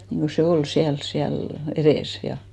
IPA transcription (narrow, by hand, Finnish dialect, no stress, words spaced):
niŋɡ̊o se ol siæls siæl ereˑs jɑ